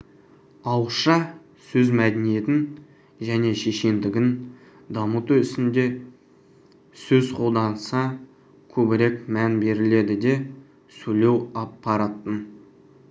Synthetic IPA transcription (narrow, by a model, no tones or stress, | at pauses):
ɑwʃɑ | sɵzmæd̪enije̞t̪ɪn | ʒæne̞ʃe̞ʃe̞nd̪ɪɡʲɪn | d̪ɑmut̪uɪsɪnd̪e̞ | sɵzqʰo̞lˠd̪ɑnəsɑ | kʲʰɵbɪɾe̞kmænbe̞ɾɪle̞d̪ɪd̪e̞ | sɵle̞wɑpːɑɾɑt̪ːən